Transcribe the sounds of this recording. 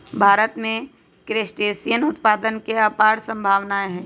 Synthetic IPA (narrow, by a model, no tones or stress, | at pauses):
bʱaːɾət̪mẽ | kɾeːsʈeːsijənʊt̪paːd̪ənkeɐpaːɽsə̃mbʱaːʋnaɦɛ̃ː